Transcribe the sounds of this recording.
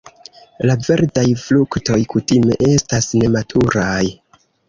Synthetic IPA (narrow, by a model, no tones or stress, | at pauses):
lave̞ɾdajflukto̞jkutime̞ʔe̞stasne̞matʰuɾaj